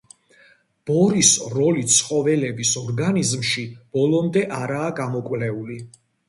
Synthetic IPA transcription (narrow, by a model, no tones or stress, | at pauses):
b̥ɔɾisɾɔlit̪sʰχɔvɛlɛbisɔɾɡanizmʃib̥ɔlˠɔmd̪ɛʔaɾaːɡamɔkʼwlɛuli